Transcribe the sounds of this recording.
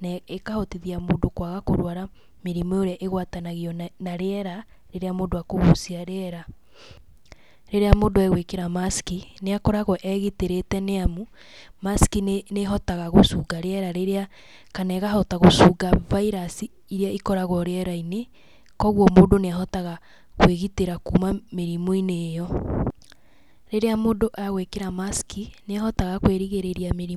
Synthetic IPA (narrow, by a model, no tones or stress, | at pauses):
nɛekahɔtiðiamoːndokwaɣakoɾwaɾa | meɾimɔoɾeaʔeɣwatanaɣiɔnaɾeɛɾa | ɾeɾeamoːdoakoβosiaɾeɛɾa | ɾeɾeamoːndoɛɣwekeɾamaskineakɔɾaɣɔʔɛɣeteɾetɛneamu | maskineɦɔtaɣaɣosuːɡaɾeɛɾaɾeɾea | kanɛɣaɦɔtaɣosuːɡavaiɾasi | iɾeaikɔɾaɣɔɾeɛɾaine | kɔɣwɔmoːndoneaɦɔtaɣa | kweɣiteɾakuːmameɾimoineːjɔ | ɾeɾeamoːdoʔaɣwekeɾamaskineahɔtaɣakweɾiɣeɾeɾjameɾi